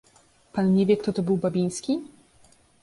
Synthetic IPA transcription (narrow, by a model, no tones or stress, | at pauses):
panɲevʲjɛkt̪ɔt̪ɔbɘwbabʲij̃skʲi